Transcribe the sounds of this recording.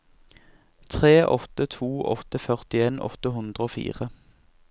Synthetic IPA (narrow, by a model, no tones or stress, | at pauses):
t̪ʰʁeːʔɔt̪ət̪ʰuːʔɔ̰t̪əfœʁt̪ɪeːnʔɔ̰t̪əɦʉnd̪ʁəoːfḭːʁə